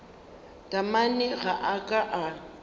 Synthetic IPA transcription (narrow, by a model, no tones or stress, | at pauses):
tʼamanɪɣaʔakʼaʔa